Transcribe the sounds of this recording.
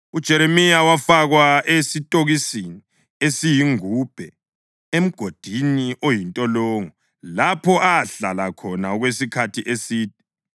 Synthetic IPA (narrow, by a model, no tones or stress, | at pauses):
ud̥ʒ̥ʱɛɾemijawafaɣwaesitʼoɣisini | esijiŋuːb̥ʱɛ | em̩ɡ̥ʱod̥ʱiniʔojintʼɔlɔːŋɔ | lapʰɔʔaɬalakʰɔnaɔɣwesikʰatʰiʔesiːtʰi̥